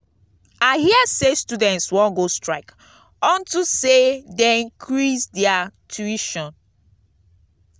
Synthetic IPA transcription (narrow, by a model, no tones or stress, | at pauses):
aɪhiəsestudɛ̃ntswɔ̃nɡostɹaɪk | ɔ̃ntusedeĩŋkʰɹisdɛatuiʃɔ̃n